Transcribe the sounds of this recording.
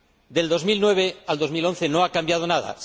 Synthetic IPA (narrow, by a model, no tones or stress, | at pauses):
d̪e̞ld̪o̞zmilnwe̞βeald̪ozmilõ̞n̟θe̞no̞akambjað̞o̞naða̰